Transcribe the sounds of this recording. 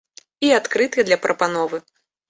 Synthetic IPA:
iat̪kɾɨt̪ɨd̪lʲɐpɾʔɐpanɔvɨ

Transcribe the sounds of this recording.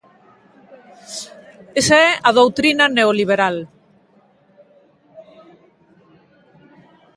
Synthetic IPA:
esaɛað̞owt̪ɾinaneoliβ̞eɾal

